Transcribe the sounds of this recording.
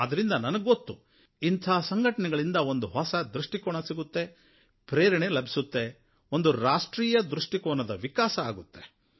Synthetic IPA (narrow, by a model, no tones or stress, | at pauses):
ɐd̪ɐɾind̪ɐnɐnɐɡɡot̪ːu | int̪ʰɐɦsɐŋɡʱɐʈɐnɛɡɐɭind̪ɐo̞nd̪uɦɔsɐd̪ɾuʂʈikɔːɳɐsiɡut̪ːe̞ | pɾeːɾɐɳelɐbʱi̥sut̪ːe̞ | o̞nd̪uɾaːʂʈɾiːjɐd̪ɾuʂʈikɔːɳɐd̪ɐʋikaːsɐaːɡut̪ːe̞